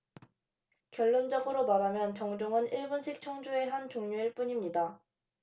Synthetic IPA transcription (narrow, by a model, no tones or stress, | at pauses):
kjʌɭːond͡ʑʌɡɯɾomaɾamjʌnt͡ɕʌŋd͡ʑoŋɯniɭbunɕʰik̚t͡ɕʰʌŋd͡ʑue̞ɦant͡ɕoŋɲuiɭp͈uɲimɲida